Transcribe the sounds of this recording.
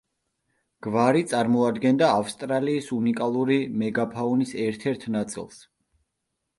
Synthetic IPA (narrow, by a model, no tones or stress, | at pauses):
ɡ̥vaɾit̪sʼaɾmɔad̪ɡɛnd̪aːfst̪ʼɾaliːsunikʼalˠuɾimɛɡapʰaɔnisɛɾt̪ʰɛɾt̪ʰnat̪sʼḭlˠs